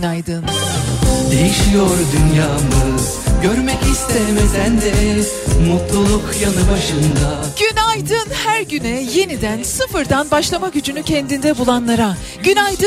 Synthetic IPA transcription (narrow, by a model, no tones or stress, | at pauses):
najd̪ɯn | d̪e̞jiʃijoɾd̪ynjaːmɯz | ɟøɾmɛcist̪ʰeɾmed̪ænd̪ɛ | mot̪lˠolˠukjanɯbaʃɯnd̪aɟ̥ynajd̪ɯnhæɾɟynɛje̞nid̪ænsɯfɯɾd̪anbaʃlˠamaɟyd͡ʒynycʰɛnd̪ind̪ɛbulˠanlˠaɾa | ɟ̥ynajd̪ɯ